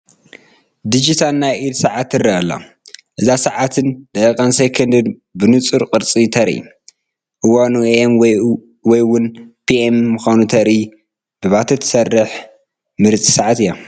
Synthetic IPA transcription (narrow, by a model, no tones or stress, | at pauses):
d̪id͡ʒit̪ʰalnːajʔid̪saʕat̪ɨrɐalːa̰ | ʔɨzasaʕat̪ʰɨndɐkʼɐnsekʰɐnd̪ɨd̪bɨnɨt͡sʼɨɾqʼɨɾt͡sʼit̪ʰɐɾḭ | ʔɨwanueʔem | wɔjwʊnpʰiʔemːɨxanut̪ʰɐɾi | b̥ɨβat̪ʰɐt̪ʰːsɐrːɨħ | mɨɾt͡sʼi̥saʕat̪ɨjːa